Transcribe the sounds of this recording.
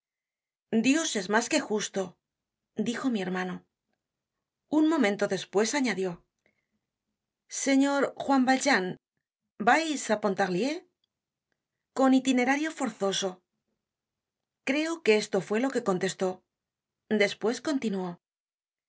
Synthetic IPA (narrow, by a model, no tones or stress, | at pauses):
d̪jo̞se̞zmaske̞xust̪o̞ | d̪ixo̞mie̞ɾmano̞ | unmõ̞mẽnt̪o̞ðe̞spwe̞saɲaðjo̞ | se̞ɲo̞ɾxwambald͡ʒan | bajsapo̞nt̪aɣlje̞ | ko̞nit̪ine̞ɾaɾjo̞fo̞ɾθo̞so̞ | kɾe̞oke̞est̪o̞fwe̞lo̞ke̞ko̞nt̪e̞st̪o̞ | d̪e̞spwe̞sko̞nt̪inuo̞